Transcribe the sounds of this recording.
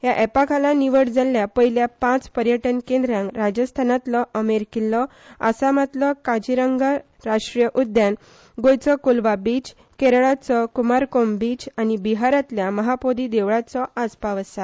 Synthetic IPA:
ɦjaʔɛpakʰalaniʋəɽd͡zalːjapəɦiljapãt͡spəɾjəʈənkẽnd̪ɾjãŋkɾad͡ʑəst̪ʰanat̪lɔʔəmeɾkilːɔ | a̰samat̪lɔkad͡ʑiɾəŋɡa | ɾaʂʈɾijəʔud̪jãn | ɡojt͡sɔkulʋabit͡ɕ | keɾɭat͡sɔkumaɾkombit͡ɕañibiɦaɾat̪ljaməɦapod̪id̪eʋɭat͡sɔʔad͡zpaʋəsa

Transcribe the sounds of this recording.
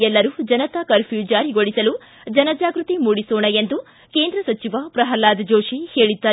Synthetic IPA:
ɛlːɐɾud͡ʒɐnɐt̪ɐkɐɾpʰjuːd͡ʒaːɾiɡoɽisɐlu | d͡ʒɐnɐd͡ʒaːɡɾut̪imuːɽisoːɳɐjend̪u | ke̞ːnd̪ɾɐsɐt͡ʃiʋɐpɾɐɦɐlaːd̪ɐd͡ʒoːʂiheːɭid̪ːaː

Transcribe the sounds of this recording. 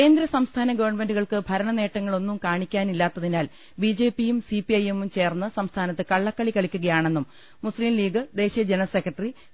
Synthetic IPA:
kke̞ːnd̪ɾɐsɐmst̪ʰaːnɐɡɐʋɐrɳmenɖuɣɐɭkɨbʱɐɾɐɳɐne̞ːʈːɐŋːɐɭo̞nːumkaːɳikʲːaːnilːaːt̪ːɐðinaːl | bid͡ʑe̞ːpijumsipiɐje̞mumt͡ɕe̞ːrnːɨsɐmst̪ʰaːnɐt̪ːɨkɐɭːɐkːɐɭikɐɭikʲːuɣɐjaːɳe̞nːum | musliːmliːɡɨd̪e̞ːɕijɐd͡ʑenɐsekːrɐʈːɐri

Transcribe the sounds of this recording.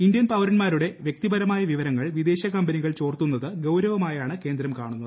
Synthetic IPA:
ind̪jɐnpɐʋɐɾɐnmaːɾuɽe̞ʋjek̚t̪ibɐɾɐmaːjɐʋiʋɐɾɐŋːɐɭʋid̪e̞ːɕɐkɐmbɐniɣɐɭt͡ɕo̞ːrt̪unːɐðɨɡɐwɾɐʋɐmaːjaːɳɨke̞ːnd̪ɾɐmkaːɳunːɐðɨ

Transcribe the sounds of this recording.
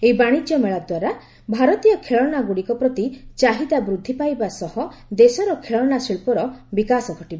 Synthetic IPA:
eibaɽ̃id͡ʒjɔmeɭad̪waɾa | bʱaɾɔt̪ijɔkʰeɭɔnaɡuɽikɔpɾɔt̪it͡ʃaɦid̪abɾud̪ʱːipajbasɔhɔd̪esɔɾɔkʰeɭɔnasiɭpɔɾɔbikasɔɡʱɔʈiba

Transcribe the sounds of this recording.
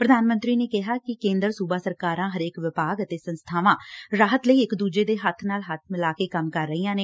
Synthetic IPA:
pɾəd̪ʱaːnmənt̪ɾiːneːkɪɦaːkɪkẽːnd̪əɾsuːbaːsəɾkaːɾãːɦəɾeːkʋɪpaːɡət̪eːsənst̪ʰaːʋãːɾaːɦət̪ləiːɪkd̪uːd͡ʒeːd̪eːɦət̪ʰnaːlɦət̪ʰmɪlaːkeːkəmkəɾːəiːãːneː

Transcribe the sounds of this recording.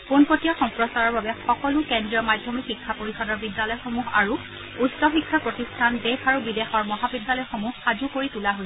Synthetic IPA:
punpotijaxɔmpɹɔsaɹɔɹbabɛxɔkɔlʊkɛndɹiɔmadʱːɔmikxikʰːapoɹisɔdɔɹbidjalɔjxomuxaɹu | utsɔxikʰːapɹotistʰandexaɹubidexɔɹmɔɦabidjalɔjxomuhxazukoɹitulaɦo

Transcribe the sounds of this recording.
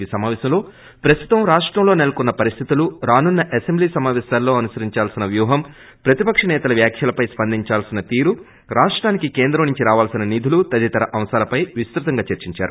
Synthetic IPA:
iːsɐmaːʋɛːɕɐmlo̞ː | pɾɐst̪ut̪ɐmɾaːʂʈɾɐmloːnelɐkunːɐpɐɾist̪ʰit̪uluɾaːnunːɐʔesembliːsɐmaːʋɛːsaːlːo̞ːɐnusɐɾiɲt͡ʃaːlsinɐʋjuːɦɐm | pɾɐt̪ipɐkʂɐnɛːt̪ɐlɐʋjaːkʰjɐlɐpɐjspɐnd̪iɲt͡ʃaːlsinɐt̪iːɾu | ɾaːʂʈɾaːnikikeːnd̪ɾɐmnuɲt͡ʃiɾaːʋaːlsinɐnid̪ʱulut̪ɐd̪it̪ɐɾɐʔɐmsaːlɐpɐjʋist̪ɾut̪ɐŋɡaːt͡ʃɐɾt͡ʃiɲt͡ʃa̰ːɾu

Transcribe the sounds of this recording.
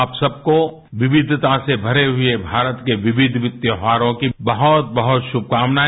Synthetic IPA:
psɐb̚ko | ʋɪʋɪd̪ʱt̪asebʱɐɾeɦʊebʱaːɾət̪keʋɪʋɪd̪ʱʋɪt̪jəɦaːɾõkibɐɦɔt̪̚bɐɦʊt̪ʃʊb̚ʱkaːmna

